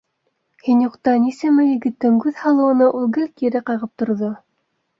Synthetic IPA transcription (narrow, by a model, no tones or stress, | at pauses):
hinjuqt̪ɑnisæmæjɘ̆ɡɘ̆t̪ːɘŋkʉðhɑlˠɤ̆wɤ̆nɑʔulˠɡɘlkiɾɘqɑʁɤp̚t̪ŏɾðo